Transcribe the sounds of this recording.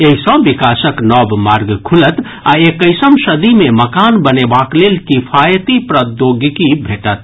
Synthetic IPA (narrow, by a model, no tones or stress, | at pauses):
eɦisɔ̃bikasəknɔbmaɾɡkʰulət̪ | aekəɪsəmsəd̪imeməkanbənebaklelkipʰajət̪ipɾəd̪joɡkibʱeʈət̪